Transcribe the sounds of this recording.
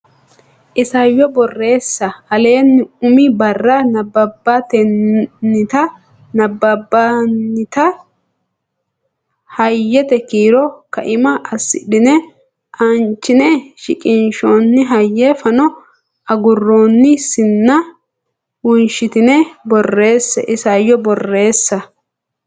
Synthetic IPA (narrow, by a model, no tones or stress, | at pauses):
ʔɪsɐjːɔbɔrːe̞ːsːɐɐle̞ːnːɪʊmɪbɐrːɐnɐbːɐbːɐt̪ɛnːɪt̪ɐ | nɐbːɐbːɐnːɪt̪ɐ | hɐjːɛt̪ɛkiːɾɔkɐ̰ʔɪmɐʔɐsːɪ̰ɗɪnɛ | ʔɐnt͡ʃːɪnɛʃɪ̰kʼɪnʃonːɪɦɐjːɛfɐnɔ | ɐɡʊrːoːnːɪsɪnːɐ | wʊnʃɪt̪ɪnɛbɔrːe̞ːsːɛ̰ʔɪsɐjːɔbɔrːe̞ːsːɐ